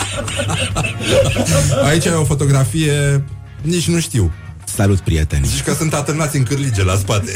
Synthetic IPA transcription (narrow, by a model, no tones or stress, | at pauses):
ait͡ʃaveofo̞t̪o̞ɡɾafije | nit͡ʃʲnuʃt̪iw | salut̪̚pɾiet̪ḛnʃi̥kəsunt̪at̪ɨnat̪sʲɨŋkɨrlid͡ʒelaspat̪e